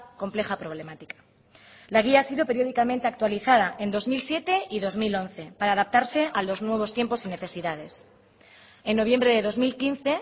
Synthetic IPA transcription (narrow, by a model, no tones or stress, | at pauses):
ko̞mple̞xapɾo̞βle̞mat̪ikḁ | laɣ̞iaasiðope̞ɾjo̞ðikamẽnt̪e̞ak̚t̪waliθað̞aʔe̞nd̪o̞zmilsje̞t̪e̞ʔiðo̞zmilo̞nθe̞paɾaːðap̚t̪aɾse̞ʔalo̞znwe̞β̞o̞st̪je̞mposine̞θe̞siðað̞e̞s | enːo̞β̞je̞mbɾe̞ðe̞ðo̞zmilkin̟θe̞